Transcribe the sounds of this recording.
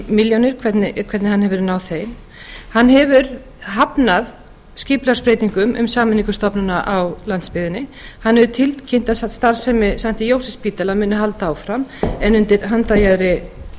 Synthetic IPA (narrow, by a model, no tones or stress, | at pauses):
miljonɪɾ̥kʰvɛt̪nɪkʰvɛt̪nɪhanhɛvɪɾnaːwθeːjm | hanːhɛvʏɾ | ɦapnað | scɪːplaɾspɾejt̪iŋkʏmʏ̰msaːmɪniŋkʏst̪ɔpnʏnaʔawlant̪spɪðɪnɪhanːhɛðʏt̪ʰɪlt̪cʰɪnt̪asat̪st̪aɾ̥sɛmɪsam̥t̪ɪjoːwsɛspiːt̪alamʏːnʏɦalt̪aːwfɾamɛnʏnt̪ɪɾɦant̪ajaðɾɪ